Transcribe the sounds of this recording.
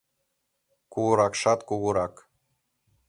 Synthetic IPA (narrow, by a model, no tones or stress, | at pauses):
kuɣuɾɑkʃɑt̪kuɣuɾɑk